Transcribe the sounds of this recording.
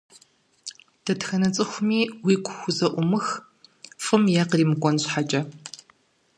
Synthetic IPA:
d̥ʰɐtxɐnɐt͡sʼɨxʷʊmiːwiːɡʷʰʼʊxʷʊzɐʔʷʊmɨx | fʼɨmjaqriːmɨkʷʼɔnɕħat͡ʃʼɐ

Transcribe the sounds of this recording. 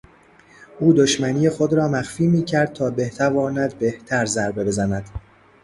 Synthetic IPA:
ʔuːd̪oʃmæniːjexod̪ɾɒːmæxfiːmiːcʰæɾd̪̚t̪ʰɒːbe̞ht̪ʰævɒːnæd̪be̞ht̪ʰæɾzæɾbe̞be̞zænæd̪̥

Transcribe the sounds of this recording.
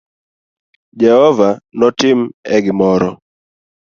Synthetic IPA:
d͡ʒɛhɔvanɔtɪmɛɡɪmɔɾɔ

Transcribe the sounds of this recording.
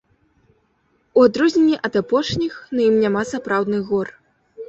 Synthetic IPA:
uad̪ɾuzʲnʲɛnʲːiʔɐd̪apɔʂnʲixnɐjimnʲamasapɾawd̪nɨɣɔr

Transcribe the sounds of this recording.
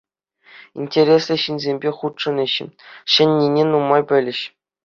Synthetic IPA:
ḭnʲtʲeɾʲeslʲɘ̆ɕinʲzʲemʲbʲeχut̪ʂɤ̆nɘ̆ɕɘ̰̆ɕɘ̆nʲːinʲenumːɑjpʲɘ̆lʲɘ̆ɕ

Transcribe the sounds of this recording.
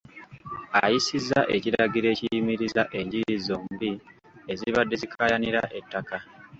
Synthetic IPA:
a̰jisizːaʔe̞ciɾaɡiɾe̞ːcijimiɾizaʔe̞ɲɟiɾizoːmbi | e̞ziβadːe̞zikʰajaniɾaʔe̞tːaka

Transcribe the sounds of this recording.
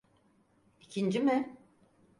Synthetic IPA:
icʰind͡ʒimɪ

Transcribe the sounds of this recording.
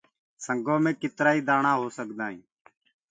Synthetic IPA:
səŋɡõːmẽːkɪt̪ɾaːiːd̪aːɳãːɦoːsəkd̪aːɦḭ̃ː

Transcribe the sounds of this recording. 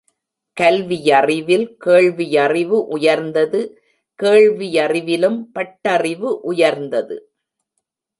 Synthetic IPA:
kɐlʋɪjɐrɪʋɪlkeːɭʋɪjɐrɪʋɯʔʊjɐɾnd̪ɐðɯ | keːɻʋijɐrɪʋɪlɯmpɐʈːɐrɪʋɯʔʊjɐɾnd̪ɐðɯ̰

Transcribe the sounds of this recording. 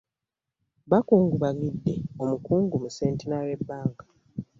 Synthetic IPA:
βakuːŋɡuβaɡidːe̞o̞mukuːŋɡumuse̞ːntenawe̞bːaːŋkḁ

